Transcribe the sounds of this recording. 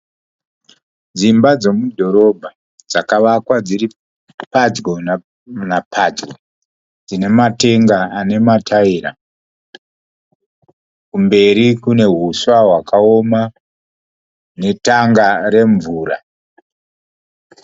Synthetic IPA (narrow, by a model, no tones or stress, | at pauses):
d͡zimbad͡zo̞mudʱo̞ɾo̞bʱa | d͡zakaʋakwad͡ziri | pad͡ʒɡon | napʰad͡ʒɡo | d͡zine̞mate̞ŋɡaane̞matʰaiɾa̰ | kumbe̞ɾikune̞ɦuswaɦwakʰao̞ma | ne̞taŋɡaɾe̞ɱvuːɾa̰